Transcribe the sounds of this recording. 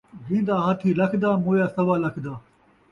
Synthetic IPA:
zĩːnd̪aːɦãːt̪ʰiːlɐkʰd̪aːmoːjaːsɐʋaːlɐkʰd̪aː

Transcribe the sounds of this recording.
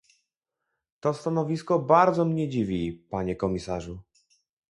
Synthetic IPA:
t̪ɔst̪anɔvʲiskɔbaɾd̪zɔmɲɛd͡ʑivʲipaɲɛkɔmʲisaʐu

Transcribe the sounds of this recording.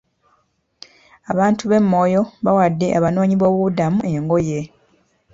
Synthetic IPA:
aβaːntuβe̞mːo̞ːjo̞βawadːe̞ʔaβano̞ːɲiβo̞ːβuβudamue̞ŋɡo̞je̞

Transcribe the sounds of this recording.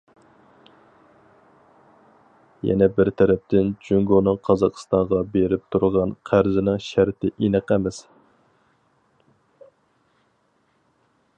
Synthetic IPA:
jɛ̰nɛbɪɾt̪ʰɛɾɛp̚t̪ʰɪnd͡ʒyŋɡonɨŋqʰɑzɑqʰə̥st̪ɑɴʁɑbeɾɪp̚t̪ʰuɾʁɑnqʰæɾzɪnɪŋʃæɾt̪ʰɪʔinɨqɛmɪs

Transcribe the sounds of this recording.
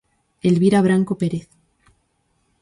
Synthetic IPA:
elβiɾaβ̞ɾaŋkopeɾeθ

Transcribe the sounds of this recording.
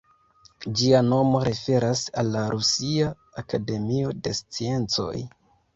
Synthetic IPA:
d͡ʒiano̞mo̞ɾe̞fe̞ɾasalːaɾʔusia | akade̞mio̞de̞st͡sie̞nt͡so̞̰j

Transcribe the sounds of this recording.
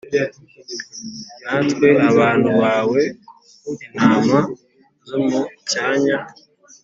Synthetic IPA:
natkweaβaːnduβaːwe | enaːma | zomucaːɲa

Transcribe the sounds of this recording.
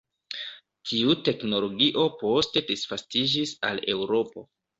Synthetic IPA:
tʰiute̞kno̞lo̞ɡiʔo̞po̞ste̞disfastid͡ʒisa̰le̞wɾo̞po̞̰

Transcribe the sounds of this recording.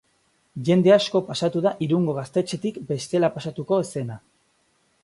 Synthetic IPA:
ʝe̞nd̪e̞asko̞pasat̪uðaʔiɾuŋɡo̞ɣast̪e̞t͡ʃe̞t̪ikbe̞st̪e̞lapasat̪uko̞ese̞na

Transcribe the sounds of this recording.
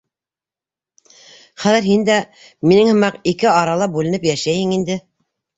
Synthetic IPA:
χæðɘɾɦind̪æ | minɘŋhɤ̆mɑqikɘɑɾɑlˠɑbʉlɘ̆nɘpjæʃæjhɘŋind̪ɘ

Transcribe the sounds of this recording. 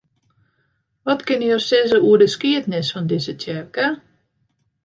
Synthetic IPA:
ʋɔtkɪnjorsɪzəuədəskiətnɪsfɔndɪzətɛrkə

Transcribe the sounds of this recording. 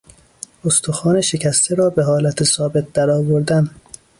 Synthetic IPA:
ost̪ʰoxɒːneʃe̞cʰæst̪ʰeɾɒːbe̞ɦɒːlæt̪ʰesɒːbe̞t̪̚d̪æɾɒːvoɾd̪æn

